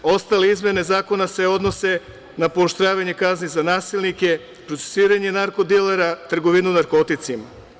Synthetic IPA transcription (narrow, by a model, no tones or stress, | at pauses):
o̞st̪aleizmje̞ne̞zaːko̞nase̞o̞d̪no̞se̞ | napo̞ːʃt̪ɾaːʋaɲe̞kaznizanaːsilnike̞ | pɾo̞t̪se̥siːɾaɲenaɾko̞d̪eleɾat̪r̩ɡo̞ʋinunaɾko̞t̪it̪sima